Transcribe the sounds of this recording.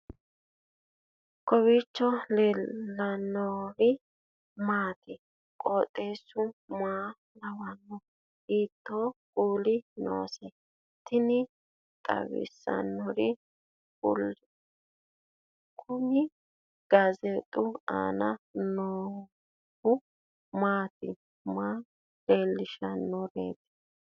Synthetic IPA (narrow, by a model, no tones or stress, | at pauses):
kɔwit͡ʃːɔleɐnːɔɾɪ | maːt̪ɛ | kʼoːt̪ʼːeːsʊmaː | lɐwɐnːɔ | iːt̪ːokʼuːlɪno̰ːsɛ | t̪ɪnɪ | kʼɐ̰wɪ̰sːɐ̰nːɔɾɪ | kʊ̰l | kʰʊmɪ | ɡ̥ɐzɛt̪ʼʊa̰ːnɐnoː | hʊ | maːt̪ɪ | maː | deːlːɪʃɐnːɔɾḛːt̪ɪ̥